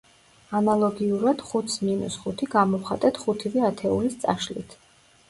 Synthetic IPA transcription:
analˠɔɡiuɾad̪̥χut̪sminṵsχut̪ʰiɡamɔχat̪ʼɛt̪ʰχut̪ʰivɛat̪ʰɛulist̪sʼa̰ʃlḭt̪ʰ

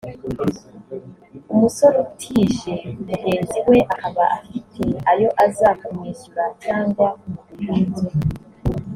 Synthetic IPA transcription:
umuso̞ɾotʰiʒemuɟe̞ːnziwe̞ʔahaβaʔafitʰe̞ajo̞ʔazaːkumiːsuɾacaːŋɡwaumuːze

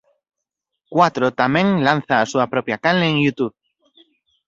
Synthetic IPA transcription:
kwat̪ɾot̪amẽŋlan̟θaːsuapɾo̞pjakanleːŋjut̪uβ

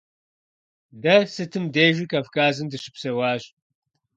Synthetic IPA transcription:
dɐsɨtʰɨmdeːʒʷikʰɐvkʰaːzɨndɨʃɪ̥psɐwaːʒ

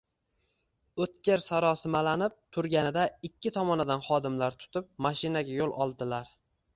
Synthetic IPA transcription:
ɵt̪kʲeɾsaɾɒsɪmalanɪp̚t̪ʰʊɾɡʲanɪd̪aɪkʲʰːɪt̪ʰɒmɒnɪd̪anχɒd̪ɪmlaɾt̪ʰʊ̥t̪ʰɪp̚maʃɪnaɡʲajolˠɒ̰lˠd̪ɪlaɾ

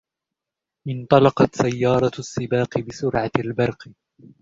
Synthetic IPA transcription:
ʔɪnt̪ˤɑlɑqɑt̪sajːɑːɾˤɑsːɪbɑːqɨbɪsʊɾʕalbɑɾˤq

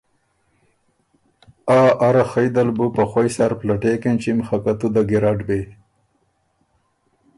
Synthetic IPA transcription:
aːʔaɾaxajd̪albupaxojsaɾplaʈekent͡ʃimxakat̪ud̪aɡiɾaːɖbe

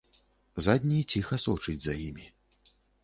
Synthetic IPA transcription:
zad̪ʲnʲit͡sʲixɐsɔt͡ʂɨd͡zʲzɐjimʲi

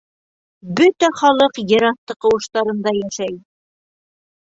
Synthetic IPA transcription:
bɵt̪æχɑlˠɤqjɤ̆ɾɑθt̪ːɤqɤ̆wɤ̆ʃt̪ɑɾɤ̆nd̪ɑjæʃæj

